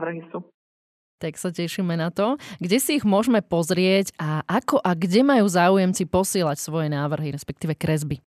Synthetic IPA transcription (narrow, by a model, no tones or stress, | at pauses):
ʋr̩ɦisu | t̪aksacɛʃimɛnat̪ɔɡɟɛsiːɣmʊɔʒmɛpɔzɾɪɛɟaʔakɔʔaɡɟɛmajuːzaːujɛmt͡sipɔsɪɛːlacsʋɔjɛnaːʋr̩ɦiɾɛspɛk̚t̪iːʋɛkɾɛzbi